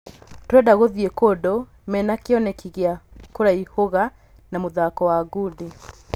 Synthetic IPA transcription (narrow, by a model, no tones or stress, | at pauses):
tɾɛdaɣoðiekodo | mɛnakeɔnɛkiɣeakoɾaihoɣa | namoðakɔwaːɡudi